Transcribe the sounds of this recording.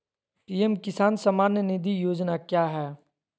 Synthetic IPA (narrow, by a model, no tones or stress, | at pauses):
piːemkɪsaːnsəmaːnjənɪd̪ijoːd͡ʒnakjaːɦɛː